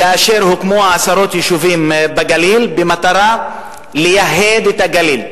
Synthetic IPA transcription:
kaːʃe̞ɾhukmoaasaɾo̞t̪jeʃuvimbaɡalilbemat̪aɾa | lejaɦed̪et̪aɡalil

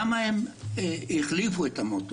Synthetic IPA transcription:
maem | iχlifuet̪amot̪

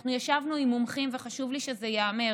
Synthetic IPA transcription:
χnujaʃavnuimumχimveχaʃuvliʃezejaːme̞

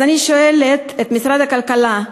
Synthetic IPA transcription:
aniʃoʔelet̪et̪misɾad̪hakalkala

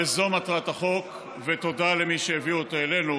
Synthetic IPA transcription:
ezo̞mat̪ʁat̪aχo̞k | vet̪o̞dalemiʃeeviot̪oele̞nu

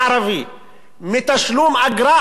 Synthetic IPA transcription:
ɑɾˤɑvi | mɪt̪aʃluːmʔaɡɾɑː

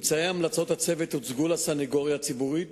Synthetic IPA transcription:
mt͡saeamlat͡so̞t̪hat͡sevetut͡sɡulasaniɡo̞ʁjat͡sibuʁit

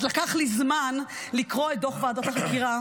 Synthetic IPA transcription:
lakaχlizman | likʁo̞et̚d̪oχveadat̪aʃelkiʁa

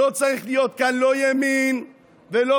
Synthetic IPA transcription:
ot͡saʁiχlijo̞t̪kanlojamin | velo

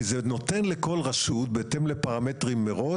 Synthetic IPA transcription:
zeno̞tenleko̞lʁaʃut̪̚betemlepaʁametʁimːeʁo̞

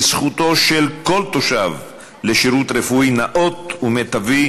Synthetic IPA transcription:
sχut̪o̞ʃelkolt̪oʃav | leʃiʁut̪ʁefuinaʔo̞t̪umet̪avi

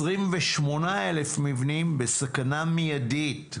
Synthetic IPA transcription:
ʁimveʃmo̞naelefmivnimbesakanamijadit

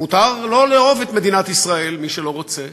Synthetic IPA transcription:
mut̪aʁlo̞leo̞vet̪me̞d̪inat̪isʁae̞lmiʃelo̞ʁot͡se

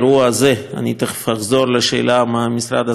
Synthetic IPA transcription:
ɾuazea̰nit̪aaχzo̞ɾleʃḛːlamaamisɾa̰d̪a

